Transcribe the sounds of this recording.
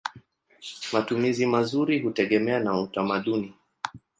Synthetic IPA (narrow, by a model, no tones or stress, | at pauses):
matumizimazuɾiɦutɛɠɛmɛanautamaɗuni